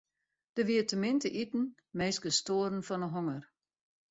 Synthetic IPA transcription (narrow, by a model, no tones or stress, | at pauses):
d̥əʋiətəmɪntəʔitn̩ | meːsɡəstoːɾən̩fɔnəɦoŋər